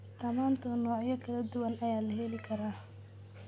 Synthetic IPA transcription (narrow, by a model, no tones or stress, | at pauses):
d̪̥ɐmaːnt̪ʰɔnɔːʕjɐkʰɐlɐd̪ʊwɐnɐjaːlɐɦɛlɪkʰɐɾaː